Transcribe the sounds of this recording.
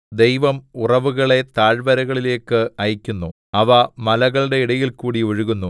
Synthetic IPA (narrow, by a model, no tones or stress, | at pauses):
d̪e̞jʋɐmurɐʋuɣɐɭe̞t̪aːɻbɐɾɐɣɐɭile̞ːkːɨɐjɐkʲːunːu | ɐʋɐmɐlɐɣɐɭɖe̞iɽɐjilkuːɽioɻuɣunːu